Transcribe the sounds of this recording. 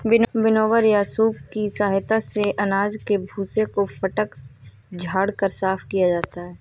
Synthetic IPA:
bɪnbɪnoːʋəɾjaːsuːbkisaːɦt̪aseʔɐnaːd͡ʒkebʱuːsekofɐʈək | d͡ʒʱaːɽkəɾsaːfkijad͡ʒaːt̪aɦɛː

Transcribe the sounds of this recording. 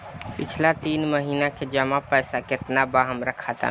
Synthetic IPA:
pit͡ʃʰlat̪iːnməɦiːnaked͡ʒəmapəjsaket̪nabaɦəmɾəkʰat̪a̰

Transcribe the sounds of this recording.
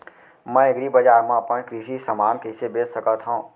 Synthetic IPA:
mɛ̃ːɪɡɾibəd͡ʒaːɾmãpənkɾiʃisəmaːnkesebeːssəkət̪ɦõː

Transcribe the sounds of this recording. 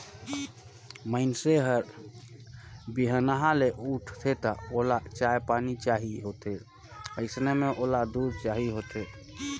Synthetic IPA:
məɪnseɦəɾ | biɦənaɦaleʔuʈʰt̪ʰet̪ɔolat͡ʃajpanit͡ʃaɦiɦot̪e | əɪsnemeʔolad̪uɾt͡ʃaɦiɦot̪ʰe

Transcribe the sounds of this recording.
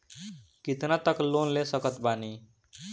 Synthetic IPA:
kit̪nat̪əklonlesəkət̪bani

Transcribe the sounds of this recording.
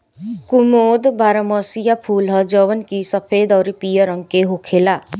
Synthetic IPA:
kumod̪baɾəmɔsijapʰulɦɔd͡ʒɔwənkisʌpʰed̪ɔwɾipijəɾɔŋkeɦokʰela

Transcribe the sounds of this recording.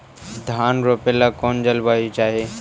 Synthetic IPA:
d̪ʱaːnɾoːpelaːkoːnd͡ʒəlʋaːit͡ʃaːɦeː

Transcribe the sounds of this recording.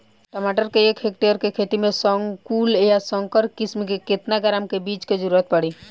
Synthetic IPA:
ʈəmaʈəɾkeekʰɦek̚ʈeəɾkekʰet̪imesəŋɡkuljasəŋkəɾkismikeket̪naɡəɾamkebit͡ʃked͡ʒəɾuɾət̪̚pəɽi

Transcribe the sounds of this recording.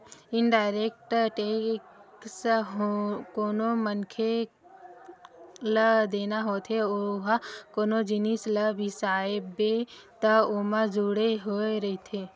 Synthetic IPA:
ɪnɖaːɪɾeːk̚ʈʈeːksɦkoːnomənkʰe | ləd̪eːnaɦoːt̪ʰeoɦkoːnod͡ʒɪnisləbʱisaːebet̪ɐoməd͡ʒuɽeɦoːeɾɐɦit̪ʰeː

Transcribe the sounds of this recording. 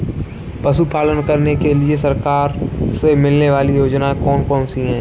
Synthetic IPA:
pəsupaːlənkəɾnekeliesɐɾkaːɾsemɪlneʋaːlijoːd͡ʒnakɔːnkɔːnsiɦɛ̃ː

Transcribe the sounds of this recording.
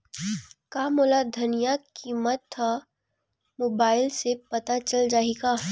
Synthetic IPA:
kaːmoːlad̪ʱɐnijakiːmət̪ʰːa | moːbaːɪlsepɐt̪at͡ʃɐld͡ʒaːeɡaː

